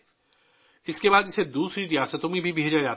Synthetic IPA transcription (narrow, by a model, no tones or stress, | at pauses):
ɪskebaːd̪ɪsed̪uːsɾiɾijaːsət̪õmĩbʱibɪɦd͡ʒad͡ʒaː